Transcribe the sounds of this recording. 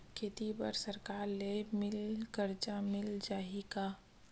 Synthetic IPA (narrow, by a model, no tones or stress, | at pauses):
kʰeːt̪ipə̰ɾsəɾkaːɾlemɪlkəɾt͡ʃamɪld͡ʒaːika